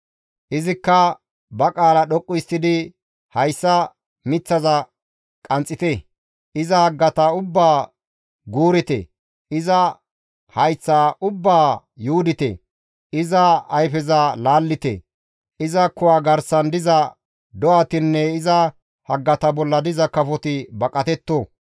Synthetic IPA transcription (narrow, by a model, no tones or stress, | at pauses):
ʔɪzɪkːɐ | bɐkʼaːlɐɗɔkʼːʊjsɪd̪ɪ | hɐjsːɐ | mɪt͡sːɐzɐ | kʼɐnt͡sʼːɪt̪ɛ | ʔɪzɐhɐɡːɐt̪ɐʊbːaː | ɡuːɾɪt̪ɛ̰ | ʔɪzɐ | hɐjt͡sːaʔʊbːaː | juːd̪ɪt̪ɛ̰ | ʔɪzɐɐjfɛzɐlaːlːɪt̪ɛ̰ | ʔɪzɐkʊwaːɡɐɾsɐnd̪ɪzɐ | d̪ɔwat̪ɪnːɛɪzɐ | hɐɡːɐt̪ɐbɔlːɐd̪ɪzɐkɐfɔt̪ɪbɐkʼːɐt̪ɛt̪ːoː